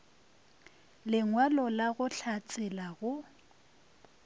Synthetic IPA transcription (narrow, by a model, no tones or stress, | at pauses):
lɪŋwalɔlaɣʊɬʰat͡sʼɪlaɣʊ